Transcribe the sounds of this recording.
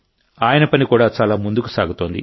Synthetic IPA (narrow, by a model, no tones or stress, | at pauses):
aːjɐnɐpɐnikuːɽaːt͡ʃaːlaːmund̪ukusaːɡut̪o̞ːnd̪ḭ